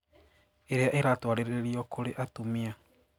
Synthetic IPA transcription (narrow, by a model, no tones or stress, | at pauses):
eɾeaʔeɾatwaɾeɾeeɾiɔkʰoɾeʔatomia